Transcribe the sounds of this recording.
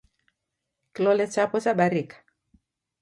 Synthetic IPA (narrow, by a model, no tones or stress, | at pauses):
kilɔlɛt͡ʃapɔt͡ʃaɓaɾikḁ